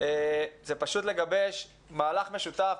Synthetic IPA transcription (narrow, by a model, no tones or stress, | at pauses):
ezepaʃut̪le̞ɡabeʃ | maːlaχme̞ʃut̪af